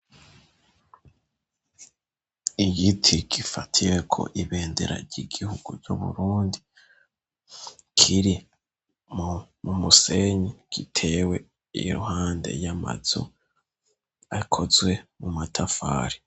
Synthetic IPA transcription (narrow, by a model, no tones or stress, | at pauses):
iɡitʰiɡifatʰiwe̞kʰo̞̰ʔiβe̞ːnde̞̰ɾa̰ɾɟiɡihuɡ̥uɟuβṵɾuːndi | kʰiɾi | mumumuse̞ɲiɡ̥itʰe̞ːwe̞ | ḭɾuhaːnde̞̰jama̰z̥o̰ | akʰo̞zwe̞mumatʰafa̰ːɾi